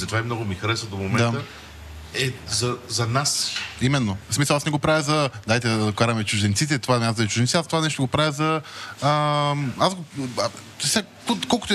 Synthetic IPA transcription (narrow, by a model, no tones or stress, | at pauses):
zɐt̪ovaimnɔɡʊmixɐɾɛsvəd̪omomɛd̪ãt̪ə | ɛzɐzɐnasimɛnːosmisɐlˠasnɛɡopɾavʲjɐzɐd̪ajt̪ɛkaɾɐmɛt͡ʃʊʒd̪ɛnt̪sit̪ɛt̪ovaazd̪ɐt͡ʃʊʒdɛnt̪siat̪ovanɛʃ̬t̪oɡopɾavʲəzɐ | azɡo | sa | kokɔlˠkʊt̪ɛ